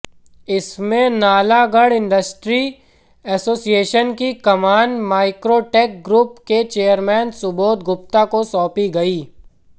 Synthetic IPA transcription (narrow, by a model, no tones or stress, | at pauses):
ɪsmẽnaːlaɡɐɽɪ̃ɳɖəsʈɾi | ɛːsoːsijeːʃənkikɐmaːnmaːɪkɾoːʈeːk̚ɡɾuːpket͡ʃeːəɾmɛ̃ːnsʊboːt̪̚ɡʊpt̪akosɔːpiɡɐiː